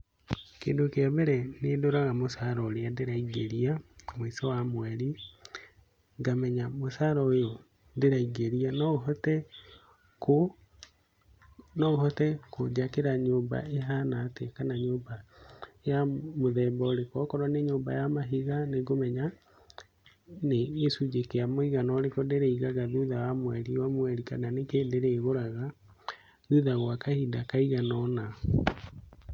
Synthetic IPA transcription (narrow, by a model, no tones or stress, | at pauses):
keːndokeaβɛɾɛnedoɾaɣamosaɾɔoɾeadeɾaiɡeɾiamisɔwamwɛɾi | ŋɡamɛɲamosaɾɔojo | ðeɾaiɡeɾianɔɔtɛ | ko | nɔɣhɔtɛkod͡ʒakeɾaɲoːmba̰eɦanatekanaɲoːba | jamoðɛmbɔːɾekɔkɔɾwaneɲoːmba̰jamaɦiɣaneɡomɛɲa | neesud͡ʒekeamoiɣanɔɾekodeɾeiɣaɣaðuðawamwɛɾiwamwɛɾikananekedeɾeːɣoɾaɣa | ðuðaɣwakahidakaiɣanɔna